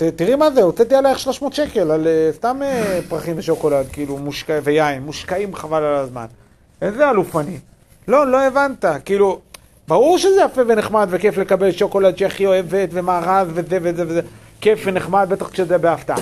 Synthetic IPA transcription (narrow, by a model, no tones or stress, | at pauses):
t̪et̪iʁimazeot͡set̪ialaeχʃlo̞ʃmo̞t̪ʃe̞ke̞lalest̪amepʁaχimbeʃo̞ko̞lad̪̚kiiːlumuʃkavejainːuʃkaimχavalalazma̰n | enzealufani | lo̞lo̞e̞vant̪akiːlu | baʁuʁʃezeafeve̞neχmad̪ve̞ke̞fle̞kabelʃo̞ko̞lad̪ʃeaχio̞e̞vet̪ve̞maːʁaðvezevezeveze | kefveneχmad̪̚be̞t̪aχʃezebeaft̪aa̰